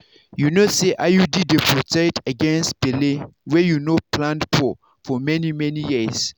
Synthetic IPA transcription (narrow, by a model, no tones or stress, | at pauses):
junoseʔajudidepʰɔtɛtaɡɛ̃nstb̥ɛlẽwɛjunopʰlãndpʰɔ | fɔmɛnimɛnijis